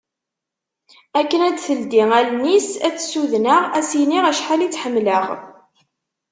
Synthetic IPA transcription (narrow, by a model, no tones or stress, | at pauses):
ækːənæd̪θəld̪iŋælnisæt͡sːsuðnəʁæsiniʁæʃħalit͡sːħəmːləʁ